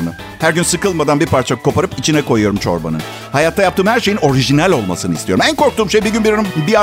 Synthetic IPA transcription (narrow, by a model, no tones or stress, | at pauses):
nɯ | hæɾɟynsɯkɯlˠmad̪anbiɾpaɾt͡ʃʰakʰo̞paɾɯpit͡ʃʰinɛko̞jujo̞ɾumt͡ʃʰo̞̰ɾba̰nɯ̰n | hajat̪ʰːajap̚t̪ɯːmhæɾʃe̞jino̞ɾiʒinælʲo̞lˠma̰sɯnɯḭst̪ijo̞ɾumænko̞ɾk̚t̪uːmʃejbiɟynbiɾanɯbia